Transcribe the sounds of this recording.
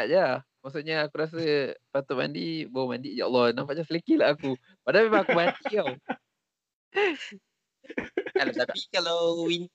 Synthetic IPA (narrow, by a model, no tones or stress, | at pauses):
aʔd͡ʒa | maʔs̬uʔɲaːkuɾas̬əpat̪ʊʔma̰ndibawəmandiʔd͡ʒaʔɔ̰lːɔnãmpaʔd͡ʒasəlikilaaku | padamemaŋakubat̪iaw | alat̪atpikalawin